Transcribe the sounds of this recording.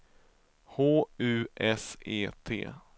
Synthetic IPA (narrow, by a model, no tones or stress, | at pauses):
hoːʉ̟ːʔɛsḛːt̪ʰḛː